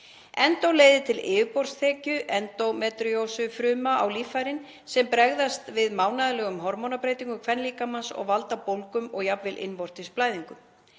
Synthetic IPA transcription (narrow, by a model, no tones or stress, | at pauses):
ɛnt̪owleːjðɪt̪ʰɪlɪːvʏpɔr̥st̪ʰɛːcʏʔɛnt̪owmɛt̪ɾiowsʏfɾʏːmaa̰wliːfajɾɪn | sɛmpɾɛɣðast̪vɪðmaːwnaðɪlɛːɣʏmɦɔɾmɔnapɾeːjt̪iŋkʏkʰv̥ɛnliːkamansɔ̰ɣvalt̪apowlkʏmɔɣjapvɪlʔɪ̰nvɔr̥t̪ɪsplaːjðiŋkʏm